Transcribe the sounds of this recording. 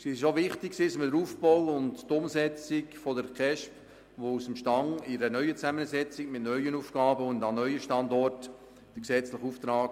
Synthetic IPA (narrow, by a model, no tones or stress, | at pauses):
siʃoʋɪχtɪksɪsmɪdəɾuːfbɔlʊndtʊmsɛt͡sɪkfodəɾkʰɛʃp | ʋousəmʃtɑŋɪɾənœʏət͡sæmənsɛt͡sɪkmɪtnœʏənuːfɡ̥ɑːbəʊndɑnœʏəʃtɑndɔrt | d̥əksɛt͡sləχuft̪ɾɑːk